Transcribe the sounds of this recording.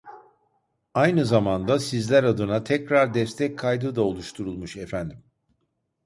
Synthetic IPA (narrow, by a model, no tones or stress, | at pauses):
ajnɯzamand̪asizlʲæɾad̪ɯnat̪ʰɛcɾaɾd̪ɛst̪ʰɛc̚kʰːajd̪ɯd̪ao̞lˠuʃt̪ʰuɾulˠmuʃefænd̪im